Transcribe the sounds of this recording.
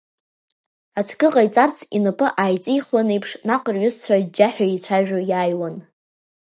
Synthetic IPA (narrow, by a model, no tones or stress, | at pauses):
at͡sʰɡɨqʼajt͡sʼart͡sʰinɨpʼɨʔaːjt͡sʼijχwanejpʰʂnaqʼərɥʊst͡sʷʰad͡ʒaħʷᶣait͡ɕʷʰaʒᶣʊjaːjwan